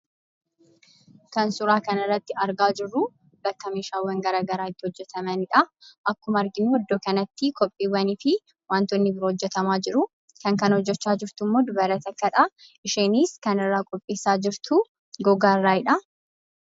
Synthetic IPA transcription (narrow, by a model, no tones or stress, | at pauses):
kɐnsʊɾaːkɐnɪrːɐt̪ːɪɐɾɡaːd͡ʒɪrːʊ | bɐkːɐmiːʃaːwːɐŋɡɐɾaːɡɐɾaːɪt̪ːɪhɔd͡ʒːɛt̪ɐmɐnɪᶑɐʔɐkːʊmɐɾɡɪnuɔd̪ːoːkɐnɐt̪ːɪkɔpʼːiːwɐnɪfɪ | waːnt̪ɔnːɪbɪɾohɔd͡ʒːɛt̪ɐmaːd͡ʒɪɾʊ | kɐŋkɐnhɔd͡ʒːɛt͡ʃːaːd͡ʒɪɾt̪ʊmːoːd̪ʊbɐɾɐt̪ɐkːɐᶑa | ʔɪʃeːniːskɐnɪrːaːkʼɔpʼːiːsaːd͡ʒɪɾt̪ʊ | ɡɔɡaːrːaːɪᶑɐ